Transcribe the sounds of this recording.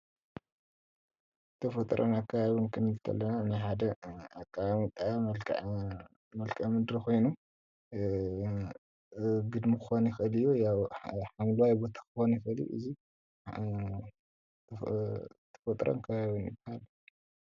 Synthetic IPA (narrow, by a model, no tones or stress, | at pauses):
t̪ʰɐfɐt̪ʼɾʔo̰nakʰːaβaβunkʰɨnilt̪ʰɐ̰lːɐnanajħad̪ɐakʼːaamit̪ʼaa | mɐlkʰʼɐmɨd̪ɾikʰo̞jnu | ɡɨd̪mikɨxonjɪxɨlɨjːojawħamluwajbo̞t̪ʰḁkɨxonjɪxɨlḭʔɨ̰zi | t̪ʰɐ̥fɐt̪ʼɾo̰nkʰɐβaβinjɪbahal